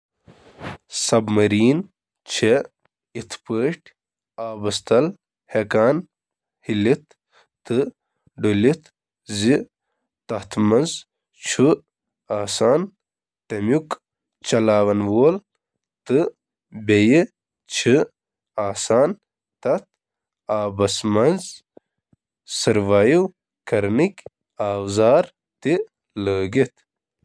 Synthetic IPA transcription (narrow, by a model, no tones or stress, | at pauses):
sɐbmɐɾiːn | t͡ʃʰe | it̪ʰpəːʈ | aːbɐst̪ɐl | hekaːn | hilit̪ː | ɨ | ɖulit̪ | zi | t̪ɐt̪ʰmɐnz | t͡ʃʰu | aːsaːn | t̪ɐmjuk | t͡ʃɐlaːwɐnwoːl | t̪ɨ | beji | t͡ʃʰi | aːsaːn | t̪ɐt̪ | aːbɐsmɐnz | sɨɾʋaːjiw | kɐɾnikʲ | aːwzaːɾ | t̪i | ləːɡit̪